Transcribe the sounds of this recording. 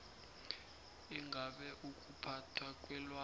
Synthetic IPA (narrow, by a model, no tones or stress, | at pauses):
iŋɡʱaɓɛʔukʼupʰatʰwakʼwɛlwa